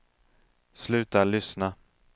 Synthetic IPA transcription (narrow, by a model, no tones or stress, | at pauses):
slʉ̟ːt̪aɭʏsna